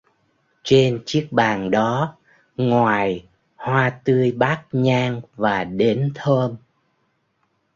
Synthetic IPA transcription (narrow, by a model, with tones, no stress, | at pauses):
t͡ɕe˧nt͡ɕi˦˥ək̚ɓaː˨˩ŋɗɔ˨˦ | ŋwaː˨˩j | hwaː˧t̪ɨ˧əjɓaː˦˥k̚ɲaː˧ŋvaː˨˩ɗe˨˦nt̪ʰəː˧m